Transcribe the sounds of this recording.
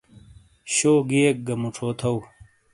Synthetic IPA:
ɕoːɡeːk̚ɡɐmuʈ͡ʂʰoːt̪ʰɐw

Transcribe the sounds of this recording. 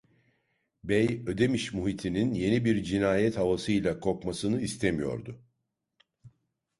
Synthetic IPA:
bɛjø̞d̪e̞miʃmuɦit̪ʰininje̞nibiɾd͡ʒinaːjɛt̪havasɯjlˠakʰo̞kmasɯnɯist̪ʰe̞mijo̞̰ɾd̪ʊ

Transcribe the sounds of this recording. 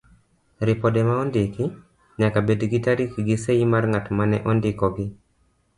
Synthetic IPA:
ɾipɔdɛmaɔndiki | ɲakabedɡitaɾikiɡiseimarŋatmanɛʔɔndɪkɔɡɪ

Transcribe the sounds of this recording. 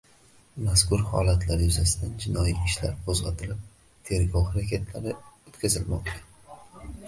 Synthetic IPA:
maskʊɾhɒ̰lˠat̪ʰlaɾjʊzasɪd̪and͡ʒɪnɒiɪʃla̰ɾqʰozʁɑt̪ʰɪlɪp̚ | t̪ʰe̞ɾɡɒwhaɾakʲʰat̪ʰlaɾɪot̪kʲʰazɪlmɒq̚t̪ʰḁ

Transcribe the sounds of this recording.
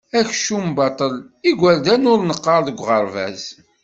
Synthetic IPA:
æçʃumbɑt̪ˤəl | iɡʷæɾd̪ænʊɾnəqːɑɾˤðəɡʷʁəɾˤvæ̰z

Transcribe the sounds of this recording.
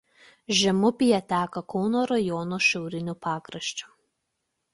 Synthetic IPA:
ʒʲɛmʊpʲɪjɛt̪ʲæːkɐkɔʊnoːɾɐjɔːnoːʃʲɛʊɾʲɪnʲupɑːkɾɐʃʲt͡ʃʲʊ̥

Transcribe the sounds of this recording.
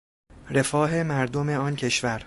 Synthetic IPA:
ɾe̞fɒːɦe̞mæɾd̪ome̞ɒːncʰe̞ʃvæɾ

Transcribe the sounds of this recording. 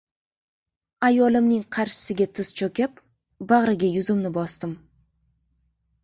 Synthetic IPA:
ajɒlˠɪmnɪŋqʰɑɾʃɪ̥sɪɡʲat̪ʰɨst͡ʃʰɵkʲap | baʁɾaɡʲajʊzɪmnɪbɒst̪ɪm

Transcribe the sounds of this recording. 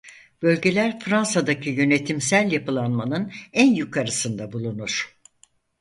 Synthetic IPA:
b̥ø̞lʲɟe̞lʲæɾfɾansad̪acʰijø̞ne̞t̪ʰimsælʲjapɯlˠanmanɯnænjukʰaɾɯsɯnd̪abulˠunuɾ̥

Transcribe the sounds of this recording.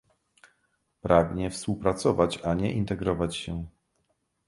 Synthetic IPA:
pɾaɡɲɛfspuwpɾat̪sɔvat͡ɕaɲɛʔint̪ɛɡɾɔvat͡ɕɕɛ

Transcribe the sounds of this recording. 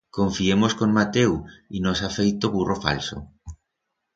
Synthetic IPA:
koɱfiemoskonmat̪ewinosafejt̪oβurʔofa̰lso̰

